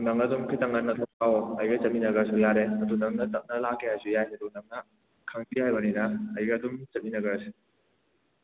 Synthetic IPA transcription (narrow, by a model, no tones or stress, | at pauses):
dunɐŋɐdumkʰitɐŋɐnːɐtʰɔawɐjɡɐt͡ʃɐminɐɡɐɾsujaɾeɐdunɐŋnɐtɐp̚nɐlakʰːehajsujajɐdunɐŋnɐ | kʰɐŋdihajbɐninɐːjɡɐdumt͡ʃɐminɐɡɐɾɐsu